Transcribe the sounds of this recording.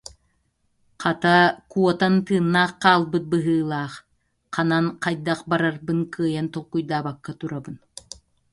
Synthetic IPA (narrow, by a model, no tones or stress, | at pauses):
qʰɑt̪akuɔt̪ant̪ɯːnːaːχqɑːlˠbɯt̪̚bɯɦɯːlˠɑːχ | qɑnanqɑjd̪aqbaɾaɾbɯŋkɯjant̪ɔlkːujd̪aːbakːat̪uɾabɯn